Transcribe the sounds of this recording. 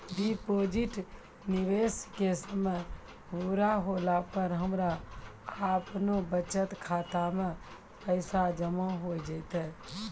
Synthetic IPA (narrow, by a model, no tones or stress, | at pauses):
ɖipod͡ʒiʈ | niʋeskesəməj | buɾaɦolakəɾɦəmɾaː | pnobət͡ʃət̪kʰat̪ame | pəɪsad͡ʒəmaɦojd͡ʒəɪt̪ɛ